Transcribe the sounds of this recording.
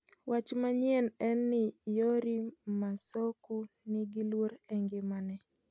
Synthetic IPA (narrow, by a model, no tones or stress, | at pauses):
wʔat͡ʃmaɲjɛnɛnːɪjoɾimasokuniɡilwoɾɛŋɡɪmanɛ